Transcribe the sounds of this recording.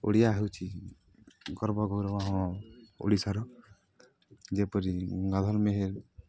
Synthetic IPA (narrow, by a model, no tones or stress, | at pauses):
o̰ɽijaɦewt͡ʃʰi | ɡɔɾbɔɡʱɔwɾɔwaɦɔ̃o̰ɽisaɾɔ | d͡ʒepɔɾiɡad̪ʱɔlmeɦeɾ